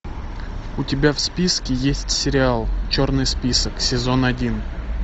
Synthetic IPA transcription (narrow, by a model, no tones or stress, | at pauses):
ʊtʲɪbʲafspʲiskʲɪjesʲtʲsʲɪɾʲɪalˠt͡ɕornɨjspʲisəksʲɪzo̞nɐdʲin